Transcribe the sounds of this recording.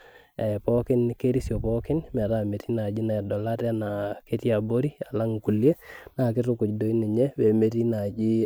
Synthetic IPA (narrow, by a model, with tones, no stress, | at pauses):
ɛ˨pɔ˦kɪ˦nke˦ɾi˦sjo˨pɔkɪ˦nmɛ˨ɾa˨me˨ti˦na˨d͡ʒɪ˦na˨ɛ˨dɔ˨la˦tɛ˦na˨ke˦ti˦a˨bo˦ɾi˦a˨la˦ŋku˨lje˦na˨kɪ˦tʊkʊ˨cdo˨i˦nɛ˨ɲɛ˦we˨me˦ti˦na˨d͡ʒi˦